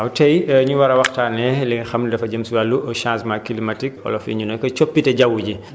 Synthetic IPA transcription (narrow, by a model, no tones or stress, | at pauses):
ɐwtɛjɲuwɐɾɐwɐxtaːnɛlɛŋxɐmdɐfɐɟəmsuwalːuʔɔʃãːsmakilimɐtikɔ̰lɔfḭɲunɔkɐt͡ʃopːitɛɟawːuɟi